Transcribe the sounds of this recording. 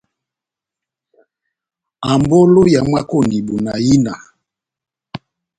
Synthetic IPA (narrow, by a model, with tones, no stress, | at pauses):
a˨mbo˦lo˦ja˨mwa˦ko˦ni˨bu˨na˨ji˦na˨